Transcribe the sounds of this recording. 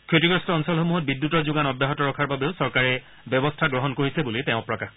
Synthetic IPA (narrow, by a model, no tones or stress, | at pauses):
kʰotiɡɹɔstɔɔnsɔlxomuɦɔt̚bidːutɔɹzʊɡanɔdjaɦɔtɔɹɔkʰaɹbabeʊsɔɹkaɹɛ | bjɔbɔstʰaɡɹɔɦɔnkoɹisɛbulitɛʊ̃pɹɔkax